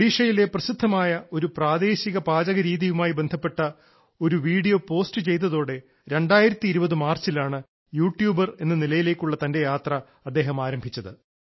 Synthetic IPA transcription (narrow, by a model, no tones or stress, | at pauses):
ɽiːʂɐjile̞prɐɕid̪ʱːɐmaːjɐʔo̞ɾupraːd̪e̞ːɕiɣɐpaːd͡ʑɐɣɐɾiːðijumaːjibe̞nd̪ʱɐpːe̞ʈːɐ | o̞ɾuʋiːɽijo̞ːpo̞ːstɨt͡ɕe̞jt̪̬ːɐðo̞ːɽe̞ | ɾe̞ɳɖaːjiɾɐt̪ːiːɾubɐðɨmaːrt͡ɕilaːɳɨ | juːʈjuːbɐre̞nːɨnilɐjile̞ːkʲːuɭːɐt̪ɐnde̞jaːt̪rɐ | ɐd̪ːe̞ːɦɐmaːɾɐmbʱit͡ɕːɐðɨ